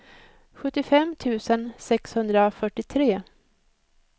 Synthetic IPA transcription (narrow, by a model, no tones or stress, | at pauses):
ɧɵt̪ːɪfɛmːt̪ʰʉ̟ːsənsɛkshɵnd̪ɾafœʈːɪt̪ʰɾeː